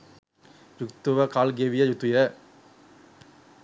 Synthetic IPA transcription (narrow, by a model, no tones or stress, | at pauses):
jʊkt̪uʋɐkaːlɡeːʋɪjɐjʊt̪ːujɐ